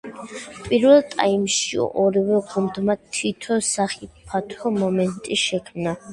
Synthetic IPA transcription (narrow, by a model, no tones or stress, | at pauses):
pʼiɾvɛlˠt̪ʼa̰imʃiɔɾivɛʁumd̪mat̪ʰit̪ʰɔsaχipʰat̪ʰɔmɔmɛnt̪ʼiʃɛkʰmna